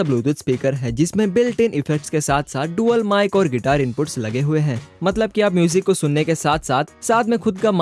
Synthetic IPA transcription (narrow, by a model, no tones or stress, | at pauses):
ɐbluːd̪ʊt̪spiːkəɾɦɛd͡ʒɪsmẽbɪlʈɪːnʔɪfɛk̚ʈskesaːt̪ʰsaːt̪̚ʰɖuːəlmaːɪkɔːɾɡɪʈaːɾɪ̃mpʊʈslɐɡeɦʊeɦɛ̃ːmɐt̪ləb̚kiapmjuːzɪkːosʊnːekesaːt̪ʰsaːt̪̚ʰsaːd̪mẽxʊd̪kam